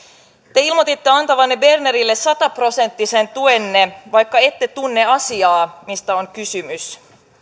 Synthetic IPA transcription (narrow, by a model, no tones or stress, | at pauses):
t̪e̞ilmo̞t̪it̪ːe̞ɑnt̪ɑʋɑnːebe̞rneɾilːe̞sɑt̪ɑpro̞se̞nt̪ːise̞nt̪uenːe̞ʋɑjkːɑe̞t̪ːe̞t̪unːe̞ɑsiɑːmist̪æoŋkysymys